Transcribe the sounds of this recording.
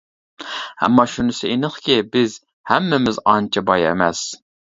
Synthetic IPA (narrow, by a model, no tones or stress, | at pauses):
æ̰mːɑʃunɪsɪʔinɨχkʲɪbɪz | hæmːɛmɪzɑnt͡ʃʰɪbɑjɛ̰mɛs